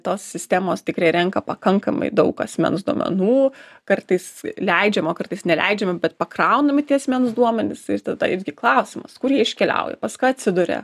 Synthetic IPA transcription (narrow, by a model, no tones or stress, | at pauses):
t̪oːssʲɪsʲt̪ʲæːmoːst̪ʲɪkɾɐɪɾʲɛŋkɐpɐkɐŋkɐmɐ̰ɪd̪ɐʊkɐ̰sʲmʲɛ̰nsd̪uɔmʲɛ̰nuːkɐrt̪ɐɪslʲɛɪd͡ʒʲɛmoːkɐrt̪ɐɪsnʲɛlʲɛ̰ɪd͡ʒʲɛmʲɪbʲɛt̪̚pɐkrɐʊnɐmʲɪt̪ʲiɛɐsʲmʲɛnsd̪uɔmʲɛnʲɪsɪrt̪ɐd̪ɐjɪzɡʲɪklˠɐʊsʲɪmɐskʊrjiɛɪʃʲkʲɛlʲɛ̰ʊjɛ̰pɐskɑːɐtʲsʲɪd̪ʊɾʲɛ̰